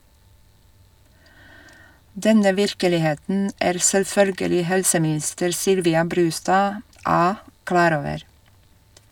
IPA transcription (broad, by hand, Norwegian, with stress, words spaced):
ˈdɛnə ˈʋɪɾkəlɪˌheːtn̩ ˈæːɾ sɛlˈfœlɡəlɪ ˈhɛlsəmɪˌnɪstəɾ ˈsʏlʋɪɑ ˈbɾʉːstɑː ˈɑː ˈklɑːɾ ˈoːʋəɾ